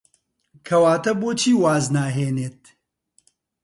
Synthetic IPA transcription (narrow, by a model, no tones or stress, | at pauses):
kʰɐwaːt̪ɐboːt͡ʃʰiːwaːznaːɦeːneːt̪̚